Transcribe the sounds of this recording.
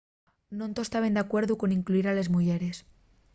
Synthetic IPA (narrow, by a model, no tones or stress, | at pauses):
nõnt̪ost̪aβend̪akwe̞ɾðuko̞niŋkluiɾale̞zmuʝeɾes